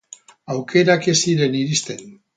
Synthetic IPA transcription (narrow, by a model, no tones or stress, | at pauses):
awkʰe̞ɾake̞siɾe̞niɾist̪e̞n